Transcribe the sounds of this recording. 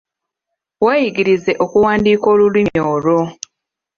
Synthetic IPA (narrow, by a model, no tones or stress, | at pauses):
waːjiɡiɾize̞ʔokuwaːndiːko̞ːlulwimoːɾo